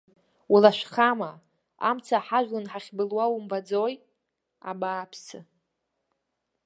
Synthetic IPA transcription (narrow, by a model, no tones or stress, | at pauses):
wulaʃʷᶣχama | a̰mt͡sʰaħaʒᶣʷlɨnħaχʲbɨlwawumbad͡zoj | a̰baːpʰsɨ